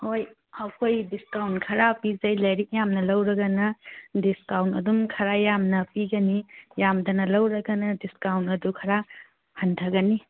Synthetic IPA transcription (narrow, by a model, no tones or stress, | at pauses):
hoj | hawkʰojdiskawntkʰɐɾapizɐjlɐjɾik̚jamnɐlɐwɾɐɡɐnɐdiskawntɐ̰dumkʰɐɾajamnɐpiɡɐnijamdɐnɐlɐwɾɐɡɐnɐdiskawntɐdukʰɐɾa | hɐntʰɐɡɐni